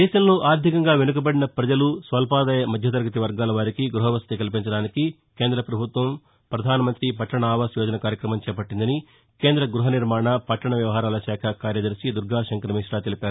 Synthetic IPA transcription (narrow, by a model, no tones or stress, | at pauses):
d̪ɛːʃɐmloːʔaːɾd̪ʱikɐŋɡaːʋenuk̬ɐbɐɽinɐpɾɐd͡ʒɐlusʋɐlpaːd̪aːjɐmɐd̪ʱjɐt̪̬ɐɾɡɐt̪̬iʋɐɾɡaːlɐʋaːɾikiɡɾuɦɐʋɐst̪ikɐlip̬iɲt͡ʃɐɽaːniki | ke̞ːnd̪ɾɐpɾɐbʱut̪ʋɐm | pɾɐd̪ʱaːnɐmɐnt̪ɾipɐʈːɐɳɐaːʋaːsjɔːd͡ʒɐnɐkaːɾjɐkɾɐmɐmt͡ʃɛːpɐʈːind̪ɐni | ke̞ːnd̪ɾɐɡɾuɦɐniɾmaːɳɐpɐʈːɐɳɐʋjɐʋɐɦaːɾaːlɐʃaːkʰɐkaːɾjɐd̪ɐɾsid̪uɾɡʱaːʃɐŋkɐɾɐmiːʂɽaːt̪elipaːɾu